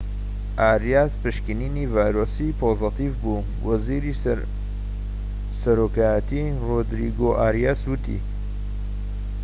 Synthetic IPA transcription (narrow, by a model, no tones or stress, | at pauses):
ʔaːɾijaspɨʃkɨninivaːjɾoːsipʰozɨt̪ivbu | wɐziɾi | sɐɾoːkaːjət̪i | rod̪ɾḭɡoʔaɾjaːswɨt̪ʰḭ